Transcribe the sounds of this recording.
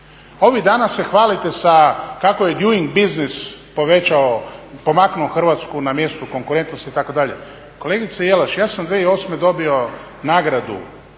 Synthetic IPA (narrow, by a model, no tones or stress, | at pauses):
o̞ʋid̪aːnase̞xʋaːlit̪e̞sakakoje̞d̪juiŋɡbiznispo̞ʋe̞t͡ʃaopo̞maknuoxr̩ʋat̪skunamje̞st̪uko̞ŋkuɾe̞nt̪nost̪iːt̪ako̞d̪aʎe̞̰ | ko̞le̞ɡit̪sejelaʃjaːsamd̪ʋeio̞ːsme̞d̪o̞bio̞ | naɡɾad̪ṵ